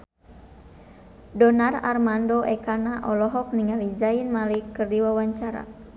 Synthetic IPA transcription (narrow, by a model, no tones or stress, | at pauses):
dɔnara̰rmandoʔɛkanaʔɔlɔɦɔk̚niŋalizainmalikːɨrdiwawaɲt͡ʃaɾa̰